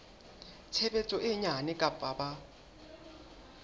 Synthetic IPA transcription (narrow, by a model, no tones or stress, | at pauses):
t͡sʰɛbɛt͡sʼɔʔɪɲanɛkʼapʼaba